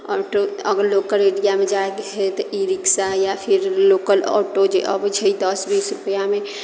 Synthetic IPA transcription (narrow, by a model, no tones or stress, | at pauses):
ɔːʈoəɡəɾlokəleɽijamẽd͡ʒaekeɦet̪ɔʔiɾiksajapʰiɾloːkəlɔ̰ːʈod͡ʒeʔə̰bd͡ʒɦəid̪əsbiːsɾʊpjame